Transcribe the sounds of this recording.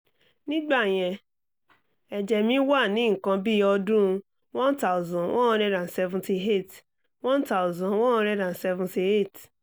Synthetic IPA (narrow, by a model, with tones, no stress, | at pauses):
nĩ˦ɡ͡ba˦˨j̃ɛ̃˧ | ɛ˨d͡ʒɛ˨mĩ˨˦wa˦˨nĩ˨˦ŋ̩˨kã˧bi˦jɔ˧dũ˦˧ | wɔ̃˦nta˦˨zɔ̃˨wʔɔ̃˦ɔ̃˦ɾɛ˦dã˨n˨sɛ˧vũ˧ti˧e˦˨t | wɔ̃˦nta˦ʊ˨zɔ̃˨nwɔ̃˦˧˦ɾɛ˦dã˨n˨sɛ˧vũ˦nti˧e˦˨t